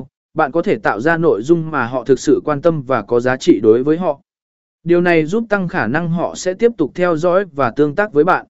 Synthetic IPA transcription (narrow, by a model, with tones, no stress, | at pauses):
ɓa̰ː˧˨nkɔ˨˦t̪ʰe˧˩t̪a̰ː˧˨wzaː˧no̰˧˨jzʊ˧ŋ͡mmaː˨˩ɦɔ̰˧˨t̪ʰɨ˨˩k̚sɨ̰˧˨kwaː˧nt̪ə˧mvaː˨˩kɔ˨˦zaː˨˦t͡ɕḭ˧˨ɗo˨˦jvəː˨˦jɦɔ̰˧˨ | ɗi˨˩əwna˨˩jzu˦˥p̚t̪a˧ŋxaː˧˩na˧ŋɦɔ̰˧˨sɛ̰˧˥t̪i˦˥əp̚t̪ʊ˨˩k͡p̚t̪ʰɛ˧wzɔ̰˧˥jvaː˨˩t̪ɨ˧əŋt̪aː˦˥k̚vəː˨˦jɓa̰ː˧˨nʔ